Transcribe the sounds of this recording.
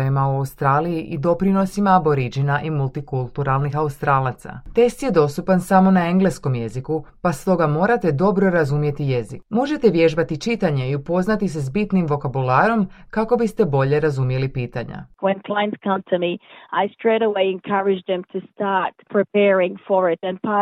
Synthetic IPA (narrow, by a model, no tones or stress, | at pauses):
jimauaust̪ɾaːlijiʔid̪o̞pɾino̞simaːbo̞ɾid͡ʒinaʔimulˠt̪ikulˠt̪uɾalˠnixaust̪ɾaːlˠat̪sa̰t̪e̞st̪je̞d̪o̞st̪upansamo̞nae̞ŋɡle̞sko̞mje̞zikupast̪o̞ɡamo̞ːɾat̪e̞d̪o̞bɾo̞ɾazumje̞t̪ije̞zikmoʒe̞t̪e̞ʋje̞ʒbat̪it͡ʃit̪aɲe̞iupo̞znat̪is̬esbit̪nimʋo̞kabulaːɾo̞mkako̞bist̪e̞bo̞ʎe̞ɾazumje̞lipiːt̪a̰ɲa̰wɨ̃nkʰl̥ãɪ̃nz̥kʰʌ̃mtʰɨmiaɪstɹ̥eɪɾəweɪɨ̃nkʰʌɹɨd͡ʒðɨ̃mtʰɨstɑɹt̚pʰɹ̥ipɛɹɪ̃ŋfə˞ɪɾɨ̃npʰɑ